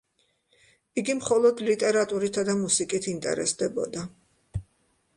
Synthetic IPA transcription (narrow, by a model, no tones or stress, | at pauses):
iɡimχɔlˠɔd̪lit̪ʼɛɾat̪ʼuɾit̪ʰad̪amusikʼit̪ʰint̪ʼɛ̰ɾɛ̰sd̪ɛbɔ̰d̪a